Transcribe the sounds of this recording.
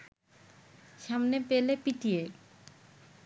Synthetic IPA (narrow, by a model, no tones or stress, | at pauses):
ʃamnepelepiʈie